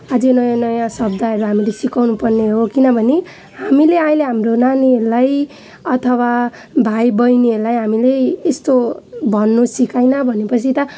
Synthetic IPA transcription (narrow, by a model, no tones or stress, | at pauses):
ad͡zenʌjãnʌjãsʌbd̪aɦʌɾuɦamilesikawnupʌrneɦokinʌbʱʌne | hamileaj̃leɦamronaniɦʌɾulaj | ʌt̪ʰʌwa | bʱajbʌjniɦʌɾulajɦamileːst̪obʱʌnːusikajnʌbʱʌnepʌt͡sʰit̪ʌ